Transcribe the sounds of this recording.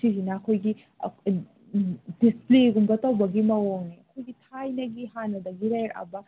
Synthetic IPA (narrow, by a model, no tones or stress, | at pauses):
sizinɐːkʰojɡḭ | displeɡumbɐtɐwbɐɡimɐwoŋniɐkʰojɡitʰajnɐɡiɦanːɐdɐɡiɾajɾɐ̰bɐ